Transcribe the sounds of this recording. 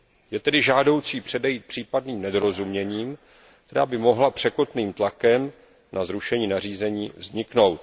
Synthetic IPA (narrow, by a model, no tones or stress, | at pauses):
jɛt̪ɛdɪʒaːdo̞wt͡siːpr̝̥ɛdɛjiːt̪̚pr̝̥iːpadniːmnɛdo̞ɾo̞zumɲɛɲiːm | kk̚t̪ɛɾa̰ːbɪmo̞ɦlapr̥ɛko̞t̪niːmt̪lakɛm | nʔazɾuʃɛɲiːnar̝iːzɛɲiːvzɲɪkno̞wt̪̚